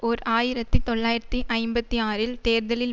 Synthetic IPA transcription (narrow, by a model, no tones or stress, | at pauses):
ɔɾʔaːjɪɾɐt̪ːit̪ɔɭːaːjɪɾɐt̪ːiʔɐɪmbɐt̪ːiaːɾɪlt̪eːɾðɐlɪl